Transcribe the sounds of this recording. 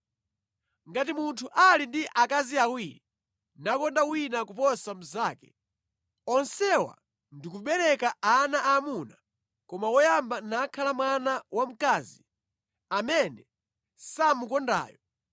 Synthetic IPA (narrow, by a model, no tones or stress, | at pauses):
ŋɡatimuntʰuʔalindiʔakaziawiɾi | nakɔndawinakupɔsam̩zaːkɛ | ɔnsɛwa̰ | ndikuɓɛɾɛkaanaʔamuna | kɔmawɔjambanakʰalamwanawam̩kazi | amɛnɛ | samukɔnda̰ːjɔ